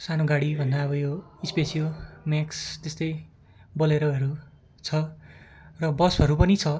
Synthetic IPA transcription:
sanoɡaɽibʱʌnd̪aʌbʌjoispesijomakst̪est̪ʌj | bʌleɾʌɦʌɾu | t͡sʰʌ | rʌbʌsʌɾupʌnit͡sʰʌ

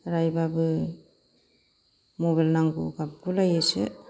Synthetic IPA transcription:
ɾajbabɯ | moβalnaŋɡṵɡap̚ɡulajesɯ̰

